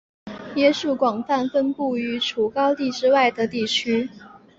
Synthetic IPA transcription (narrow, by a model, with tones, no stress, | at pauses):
jɛ˥˧ʂu˥˩kwɑ˨˩ŋfa˥˩nfə˥npu˥˩y˧˥ʈ͡ʂʰu˨˩kɑ˥ʊt̪i˥˧ʈ͡ʂɻ̩˥wa˥˩ɪd̪ə˩t̪i˥˩t͡ɕʰy˥